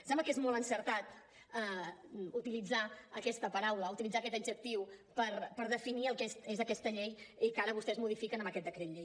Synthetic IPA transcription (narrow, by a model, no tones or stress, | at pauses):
sɛmbləkezmɔlˠənsəɾt̪at̪̚ | əut̪ilid͡zaəkɛst̪əpəɾawləut̪ilid͡zakɛt̪əd͡ʒək̚t̪iwpəɾpəɾðəfiniəlˠkɛst̪ezəkɛst̪əʎejikaɾəβust̪ɛzmuð̞ifikənəməkɛt̪d̪əkɾet̪ʎej